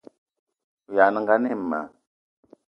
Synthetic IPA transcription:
u˨ja˨˦n˦ŋɡa˦ne˦˨mːa̰˨

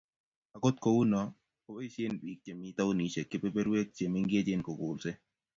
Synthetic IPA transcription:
a˨ko˦t̪̚ko˨wu˦nɔ˨ | o˦be˦se˦nbi˨k̚t͡ʃe˨mi˦t̪a˦o˦ni˨t͡ʃe˨kɪ˦pe˦pe˦ɾwe˦k̚t͡ʃe˨mɪ˦ŋɡe˦d͡ʒe˦nko˨ɡʊ˨lsɛ˦

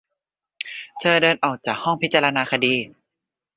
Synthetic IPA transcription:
t̪ʰɤː˧dɤː˧nʔɔː˨˩k̚t͡ɕaː˨˩k̚hɔ˥˩ŋpʰi˦˥t̪̚t͡ɕaː˧la˧naː˧kʰa˧diː˧

